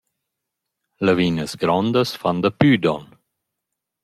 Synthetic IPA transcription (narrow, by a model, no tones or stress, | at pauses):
lavinəsɡɾɔnd̪əsfand̪apyd̪ɔ̰n